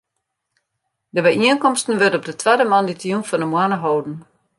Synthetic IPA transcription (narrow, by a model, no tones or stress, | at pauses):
dəbɛjiənkɔmstən̩ʋørtɔp̚dətʰʋadəmanditjunfɔndəmwanəɦowdn̩